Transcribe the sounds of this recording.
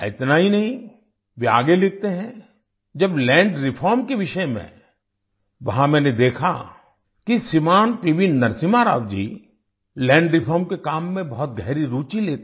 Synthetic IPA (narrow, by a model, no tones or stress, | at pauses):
ɪt̪naɦinɐɦĩ | ʋea̰ːɡelɪk̚t̪eɦɛ̃ | d͡ʒɐblɛ̃ːɳɖɾɪpʰɔːɾmkeʋɪʃəjmḛ̃ | ʋɐɦãmɛ̃ːned̪eːkʰa | kisɪmaːnpiʋinːɐɾsɪmaɾa̰ːwd͡ʒḭː | lɛ̃ːɳɖɾɪpʰɔːɾmkekaːmːẽbɐɦɔt̪̚ɡʱɐɦːɾiɾuːt͡ʃileːt̪